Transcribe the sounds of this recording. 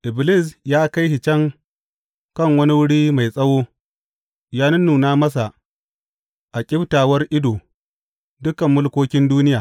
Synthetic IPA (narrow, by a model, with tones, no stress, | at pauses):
ʔɪ˨blɪ˦˨sjaː˦ka˦jhi˨t͡ʃɐ˦ŋ | kɐ˦˨ŋwɐ˦ni˦wʊ˦ɽiː˦ma˨jsʼɐ˦woː˦ | jaː˦nɪ˦nːuː˨naː˦mɐ˦s̬a˨ | ʔa˨kʲʼɪ˦btaː˨wɐ˦rʔɪ˦doː˨ | dʊ˦kɐ˨mːʊ˦lkʷoː˦kʲɪ˦nduː˦nɪ˦jaː˨